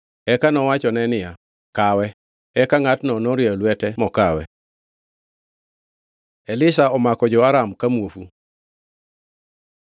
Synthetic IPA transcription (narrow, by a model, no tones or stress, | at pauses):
ɛkanɔwat͡ʃɔnɛnɪja | kawɛ | ɛkaŋatnɔnɔɾjalwɛtɛmɔkawɛ̰ | ɛlɪsaɔmakɔd͡ʒɔaɾamkamwofu